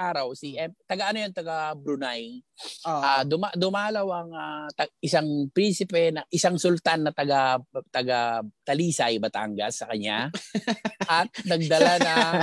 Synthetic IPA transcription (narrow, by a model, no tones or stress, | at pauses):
ʔaːɾawsiʔɛmt̪ɐɡaʔɐnojont̪ɐɡabɾʊnaj | ʔad̪ʊmad̪ʊmaːlɐwaŋat̪ɐʔɪsaŋpɾinsɪpɛnɐʔɪsaŋsʊlt̪anːɐt̪ɐɡat̪ɐɡat̪ɐliːsɐjbɐt̪a̰ŋɡɐ̰sːɐkɐɲa | ʔɐt̪̚nɐɡ̚d̪ɐlanɐ